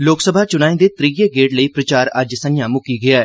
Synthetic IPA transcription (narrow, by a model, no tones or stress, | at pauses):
loːksəbʱaːt͡ʃʊnaːĩːd̪eːt̪ɾiɡeːɡeːʈləiːpɾət͡ʃaːɾəd͡ʒsənjãːmʊkiːɡɪaː